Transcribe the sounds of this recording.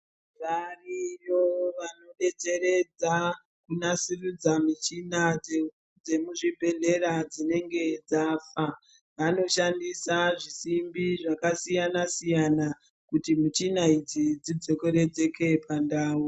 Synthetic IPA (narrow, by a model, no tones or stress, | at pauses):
rariroʋano̞ɗe̞t͡se̞ɾe̞d͡za | kunasirud͡zamit͡ʃina | d͡ze̞muʐibʱe̞ɮe̞ɾad͡zine̞ŋɡe̞d͡zafa | ʋano̞ʃandisaʐisimbiʐakasijanasijana | kutimit͡ʃinaid͡zid͡zid͡zo̞koɾe̞d͡ze̞kʰe̞pandaːu